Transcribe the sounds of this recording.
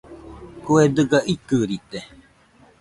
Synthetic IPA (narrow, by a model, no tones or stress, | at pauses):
kued̪ɨɡaʔikɨɾit̪e